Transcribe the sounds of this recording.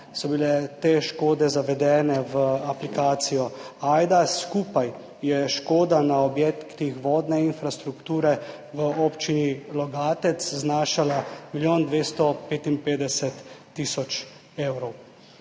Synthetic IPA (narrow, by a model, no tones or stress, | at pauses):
sɔbilɛt̪eːʃkoːd̪ɛzaʋɛd̪ɛːnɛʋəaplikaːt̪sijɔaːjd̪askuːpaj | jɛʃkoːd̪anaɔbjɛkkt̪ixʋɔːd̪nɛinfɾast̪ɾukt̪uːɾɛ | ʋəoːpt͡ʃinilɔɡaːt̪ɛt̪sznaːʃalamiljoːnd̪ʋeːst̪ɔpeːt̪inpeːd̪ɛsɛt̪ː | isɔt͡ʃ | ewɾɔw